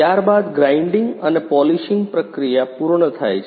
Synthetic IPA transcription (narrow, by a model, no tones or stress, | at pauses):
jaɾbad̪ɡɾaɪɳɖiŋɡənepɔliʃiŋɡpɾəkɾijapuɾɳət̪ʰa̰jt͡ʃʰ